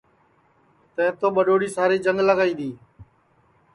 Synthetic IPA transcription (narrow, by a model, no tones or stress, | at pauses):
t̪ə̃ɦɪ̃t̪oːɓəɗoːɽiːsaːɾiːd͡ʒəŋɡləɡaːiːd̪iː